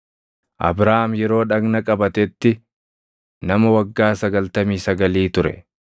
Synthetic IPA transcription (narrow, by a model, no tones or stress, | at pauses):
ʔɐ̰bɾaːmjɛɾo̞ːᶑɐɡnɐkʼɐbɐt̪ɛt̪ːɪ | nɐmɐwɐɡːaːsɐɡɐlt̪ɐmiːsɐɡɐliːt̪ʊɾɛ̰